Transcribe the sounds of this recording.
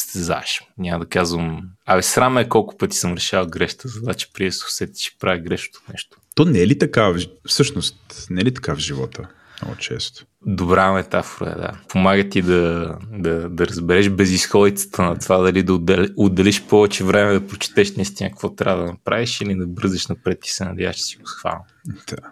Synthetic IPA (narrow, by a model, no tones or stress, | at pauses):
st̪ɛza̰ʃɲʲaməd̪ɐkazvəmavɛsɾaməɛkɔlˠkʊ̥pɤt̪i̥səmɾɛʃavˠɡɾɛʃt̪əzɐt̪vat͡ʃɛ̥pɾiɛso̥sɛt̪i̥ʃi̥pɾaviɡɾɛʃo̥t̪o̥nɛʃt̪ʊ̥t̪ɔnɛlit̪ɐkafsɤʃnost̪nɛlit̪ɐ̥kavʒivɔ̰t̪ə | mnɔ̰ɡʊ̰t͡ʃɛ̰st̪ʊ̥ | d̪obɾamɛt̪afoɾɐ̰ɛ̰d̪a̰pʰomaɡət̪id̪ɐd̪ɐd̪ɐɾɐzbɛɾɛʃbɛzisxɔd̪it̪sə̥t̪ʰənɐt̪ovad̪ɐlid̪ɐod̪lod̪ːɐliʃpɔvɛt͡ʃɛvɾɛmɛd̪ɐpɾot͡ʃɛ̥t̪ɛʃnɐist̪inəkɐkvɔt̪ɾʲa̰vəd̪ɐnɐpɾaviʃilid̪ɐbɤɾzɛʃnɐpɾɛt̪̚kʲi̥sɛnɐd̪ja̰vəʃt͡ʃɛ̥siʊ̥sxva̰n | d̪̥a